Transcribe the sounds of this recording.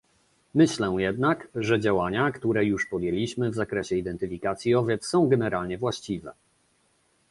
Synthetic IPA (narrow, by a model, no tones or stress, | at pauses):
mɘɕlɛ̃jɛd̪nakʐɛd͡ʑawaɲakt̪uɾɛjuʂpɔd̪jɛlʲiɕmɘvzakɾɛɕɛid̪ɛnt̪ɘfʲikat̪sʲjiɔvʲjɛt̪ssɔ̃w̃ɡɛnɛɾalɲɛvwaɕt͡ɕivɛ̰